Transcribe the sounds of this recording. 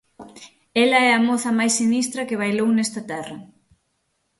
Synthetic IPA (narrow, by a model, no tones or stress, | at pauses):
ɛlɐɛɐmoθɐmajsːinist̪ɾɐkɪβajlownɛst̪ɐt̪ɛrɐ